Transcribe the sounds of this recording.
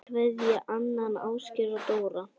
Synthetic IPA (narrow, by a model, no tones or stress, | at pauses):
kʰvɛðjaʔanːanaːwscɪɾat̪oːwɾa